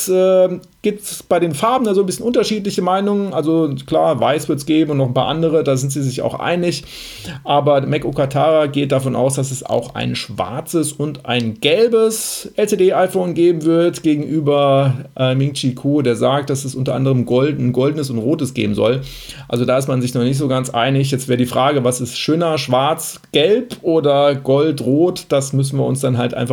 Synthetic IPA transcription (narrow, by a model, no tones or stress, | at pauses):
ɛː | ɡ̥iːp̚tb̥aɪɾeːnfaɐbm̩n̩dazoːnbɪsçənʔʊntɐʃiːt̬lɪçəmaɪnʊŋənʔalzokl̥aːɐvaɪsv̥ɪɐtsɡ̥eːbm̩ʊntnɔχnpa̰ːʔandəʁ̞ədaːzɪntz̥iːzɪça̰ʊxʔa̰ɪnɪç | ʔaːbɐmɛkokatʰaːʁaɡeːt̚d̥afɔnʔa̰ʊsd̥asɛsa̰ʊxa̰ɪnʃv̥a̰ɐt͡səsʊntʔa̰ɪnɡ̥ɛlbəsʔɛlt͡seːdeːʔaɪfoːnɡeːbm̩vɪɐtɡ̥eːɡŋ̩ʔyːbɐʔɛːmɪŋkt͡ʃikʰuːdeːɐzaːkt̚d̥asɛsʔʊntɐʔa̰ndəʁəmɡɔldn̩nɡɔldən̩əsʊntʁoːtəsɡ̥ḛːbm̩zɔ̰l | ʔalzodaːɪst̚manzɪç̬nɔχnɪç̬tz̥oːɡant͡sʔa̰ɪnɪç̬jɛt͡stv̥ɛːɐədiːfʁ̥aːɡəvasɪstʃøːnɐʃv̥aɐt͡s | ɡ̥ɛlpʔoːdɐɡɔltʁoːtd̥asmʏs̬n̩viːɐʊnsd̥anɦaltʔa̰ɪnfa